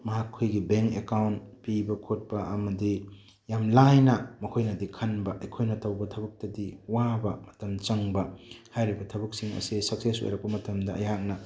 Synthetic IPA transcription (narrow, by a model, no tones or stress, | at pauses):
mɐɦakʰːojɡibeŋkekawntpibɐkʰot̚pɐʔɐmɐdi | jamlajnɐmɐkʰojnɐdikʰɐnbɐʔɐjkʰojnɐtʰɐwbɐtʰɐbɐk̚tɐdiwabɐmɐtɐmt͡ʃɐŋbɐhajɾibɐtʰɐbɐk̚siŋɐ̰sisɐk̚seso̰jɾɐk̚pɐmɐtɐmdɐɐ̰jak̚nɐ